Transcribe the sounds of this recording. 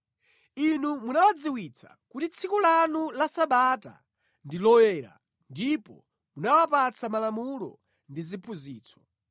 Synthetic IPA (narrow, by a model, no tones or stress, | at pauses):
inumunawad͡ziwit͡sʰa̰kutit͡sʰikɔlanulasaɓata̰ | ndilɔjɛɾa̰ | ndipɔ̰ | munawapat͡sʰamalamulɔ̰ | ndizipʰuziːt͡sʰɔ̥